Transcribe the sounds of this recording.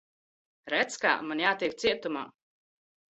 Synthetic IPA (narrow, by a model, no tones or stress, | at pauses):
ɾæt̪ska̰ːmanjaːt̪iɛk̚t̪siɛt̪uma̰ː